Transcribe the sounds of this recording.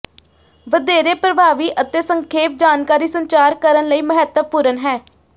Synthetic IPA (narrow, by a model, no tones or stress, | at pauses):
ʋəd̪eːɾeːpɾəbʱaːʋiːʔət̪eːsəŋkʰeːp̚d͡ʒaːnkaːɾiːsəɲt͡ʃaːɾkəɾənləiːməɦɛt̪əpuːɾənɦɛː